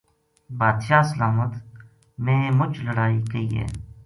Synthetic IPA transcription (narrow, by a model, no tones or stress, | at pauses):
baːd̪ʃaːsəlaːmət̪ | mẽːmʊt͡ʃləɽaːiːkəiːɦɛ̰ː